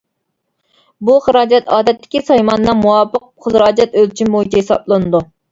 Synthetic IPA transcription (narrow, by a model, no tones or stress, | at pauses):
buχəɾɑːd͡ʒɛt̪ɑːd̪ɛt̪ːɪ̥kʲisɑjmɑnːɑŋmuwɑpəq̚χəzɾɑːd͡ʒɛt̪ølt͡ʃʰimbojt͡ʃʰɛhesɑ̰blˠɨnɨd̪u